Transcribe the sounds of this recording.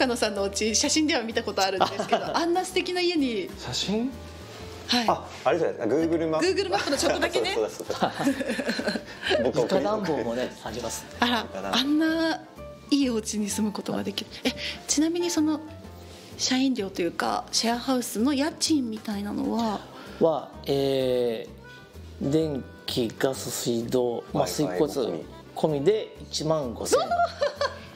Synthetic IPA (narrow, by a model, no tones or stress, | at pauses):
kano̞sãnːoɯt͡ɕiɕaɕĩnd̪e̞β̞amʲit̪ako̞t̪o̞aɾɯ̟nd̪ɨked̪o̞ʔãnːasɨ̥t̪ekʲinaije̞ɲ̟iɕaɕĩ | haia | aɾesod̪eskaɡɯ̟ːɡɯ̟ɾɯmaɡɯ̟ːɡɯ̟ɾɯmapɯnot͡ɕot̪ːod̪akeneeso | ad̪ãmbomonehaimasɨ̥ | aɾaãnːa | iːo̞t͡ɕiɲ̟isɨmɯ̟ko̞t̪o̞̰ɡa̰d̪e̞kʲiɾɯ̟et͡ɕinamʲiɲ̟iso̞no̞ | ɕaĩnɾʲo̞ːt̪ojɯ̟ːka̰ɕaahaɯ̟sɨno̞jat͡ɕĩmːʲit̪ainano̞̰βa | βa | eː | d̪ẽ̞ŋkʲiɡasɨsɨid̪oːmasɨiko̞t͡sɨ | kʰo̞mʲid̪e̞it͡ɕimãŋɡo̞sẽ